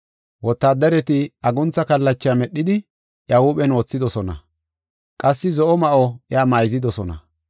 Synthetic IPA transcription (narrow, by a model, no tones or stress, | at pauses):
wɔt̪ːaːd̪ɐɾɛt̪ɪɐɡʊnt͡sːɐkɐlːɐt͡ʃːɪamɛɗːɪd̪ɪ | ʔjawuːɓɛnwɔːt͡sːɪd̪ɔsɔnɐ̰ | kʼɐsːɪzɔʔɔmɐʔɔjaːmajzɪd̪ɔsɔnɐ̰